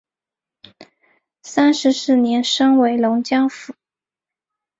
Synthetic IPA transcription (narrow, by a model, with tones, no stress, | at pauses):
sa˥nʂɻ̩˧˥sɹ̩˥˩njɛ˧˥nʂɤ˥ŋwe˧˥ɪlʊ˧˥ŋt͡ɕjɑ˥ŋfu˨˩˦